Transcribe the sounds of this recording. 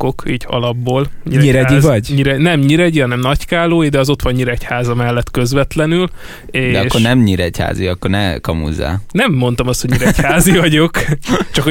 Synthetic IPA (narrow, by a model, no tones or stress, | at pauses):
okiːɟɒ̰lɒbːoːlɲiɲiɾɛizvɒɟɲiɾɛnɛmɲiɾɛɟiɦɒnɛmnɒckaːloːjid̪ɛɒzo̞t̪ʋɒɲɲiɾɛchaːzɒmɛlːɛt̪kø̞zʋɛt̪lɛnyl | eːd̪ɛɒʃkːo̞rnɛmɲiɾɛcha̰ːziɒkːornɛkɒmṵzːa̰ːnɛmːo̞n̪t̪ɒmɒst̪hoɟɲiɾɛchaːzivɒɟo̞kt͡ʃɒkh